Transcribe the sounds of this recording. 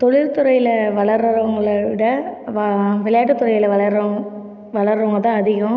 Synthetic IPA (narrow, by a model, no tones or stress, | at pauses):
t̪ɔɻɪɾt̪ʊɾɐjɪlɐʋɐɭɐɾɐɾɐɐŋɡɐɭʋɪɽɐʋʋɪɭɐjaːʈːɯt̪ːʊɾɐjɪlɐʋɐɭɐɾɐ | ʋɐɭɐɾɐʋɐŋɡɐɭt̪ãːɐðɪɣɐ̃